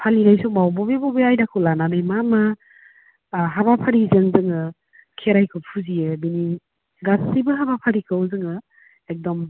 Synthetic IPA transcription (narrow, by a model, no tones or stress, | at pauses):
pʰalinajsɔk̚mawbɔbebɔbeajdakʰɯwlananajmama | ɦabapʰaɾizɯŋzɯŋɯ | kʰeɾajkʰɯpʰuzijɯbini | ɡasibɯɦabapʰaɾikʰɯwzɯŋɯ | ek̚dɔm